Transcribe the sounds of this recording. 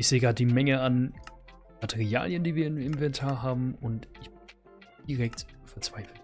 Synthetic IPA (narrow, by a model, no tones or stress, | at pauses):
ɪçz̥eːɡʁaːtədiːmɛŋəan | matʰɛʁia̰ːljəndiːviːɐɪnɪnvɛntʰaːɐɦaːbm̩ʊntɪç̥ | d̥iʁɛk̚tː | fɛɐt͡sv̥aɪfl̩